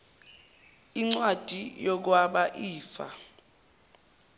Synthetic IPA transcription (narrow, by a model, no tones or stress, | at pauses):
iŋ͡ǀwad̥ʱijɔk̬waɓaʔiːfa̰